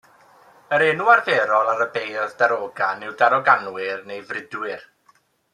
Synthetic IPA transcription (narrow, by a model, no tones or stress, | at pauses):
əɾɛːnuarðɛɾɔlˠaɾəbejðdaɾoːɡanɪwdaɾɔɡanwɪrnejvrɪdwɪr